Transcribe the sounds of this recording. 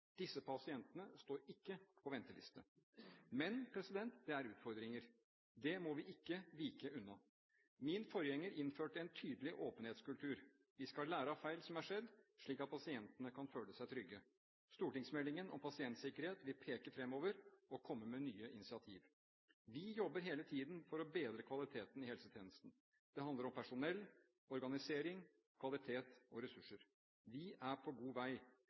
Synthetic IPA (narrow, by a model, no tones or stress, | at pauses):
d̪̥ɪsːəpʰɑsɪɛnt̪ənəst̪oːɾɪkːəpʰɔʋɛnt̪əlɪ̰st̪ə | mɛnpʰɾɛsɪd̪ɛnt̪d̪ɛæɾʉːt̪fɔɾd̪ɾɪŋəɾ | d̪ɛmɔʋɪʔɪkːəʋiːkəʔʉnːɑ | mɪnfɔɾjɛŋːəɾɪnføːʈəɛnt̪ʰyːd̪əlɪʔoːpənheːt̪skʉlt̪ʉːɾ | ʋɪskɑlæːɾəɑfæɪlsɔmæʂɛd̪ːʂɭiːkɑt̪̚pʰɑsɪɛnt̪ənəkʰɑnføːləsæɪt̪ʰɾʏɡːə | st̪uːʈɪŋsmɛlːɪŋənɔ̰mpʰɑsɪɛnt̪sɪkəɾheːt̪ʋɪlpʰeːkəfɾɛmːoːʋəɾɔkʰɔmːəmɛnyːəʔɪnɪsɪɑt̪ʰiːʋ | ʋɪjɔbːəɾɦeːlət̪ʰiːd̪nfɔɾɔbeːd̪ɾəkʰʋɑlɪt̪ʰeːt̪nɪhɛlsət̪ʰjeːnəst̪n̩ | d̪̥ɛɦɑnd̪əɾɔmpʰæʂʊnɛlː | ɔɾɡɑnɪseːɾɪŋ | kʰʋɑlɪt̪ʰeːt̪ɔɾɛsʉʂːəɾ | ʋɪʔæpʰɔɡuːʋæɪ